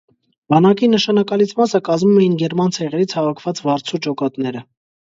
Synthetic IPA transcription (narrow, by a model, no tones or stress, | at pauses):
bɑnɑkinəʃɑnɑkɑlit͡sʰmɑsəkɑzmumɛjinɡɛɾmɑnt͡sʰɛʁɛɾit͡sʰhɑvɑkʰv̥ɑt͡svɑɾt͡sʰut͡ʃɔkɑt̪nɛɾə